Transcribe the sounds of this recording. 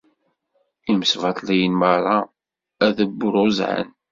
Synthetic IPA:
iməsvɑt̪ˤlijənmərˤɑ | æðəbːʊɾʊzʕə̰n

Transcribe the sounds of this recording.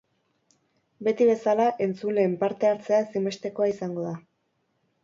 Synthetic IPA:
be̞t̪iβe̞salaʔe̞nt͡sule̞ːmpaɾt̪e̞aɾt͡se̞asime̞st̪e̞ko̞aisaŋɡo̞ða

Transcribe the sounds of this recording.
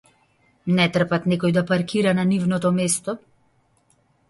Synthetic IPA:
nɛt̪r̩pat̪nɛkɔjd̪apaɾkiɾananivnɔt̪ɔmɛst̪ɔ

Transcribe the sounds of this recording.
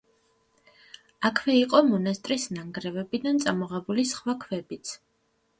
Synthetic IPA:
akʰvɛiqʼɔmɔnast̪ʼɾisnaŋɡɾɛvɛbid̪ant̪sʼamɔʁɛbulisχwakʰvɛbit̪sʰ

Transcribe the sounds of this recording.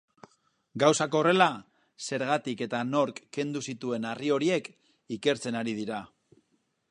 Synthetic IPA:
ɡawsako̞ːre̞la | se̞ɾɣat̪ike̞t̪ano̞ɾkːe̞nd̪usit̪ue̞nario̞ɾie̞k | ike̞ɾt͡se̞naɾið̞iɾa

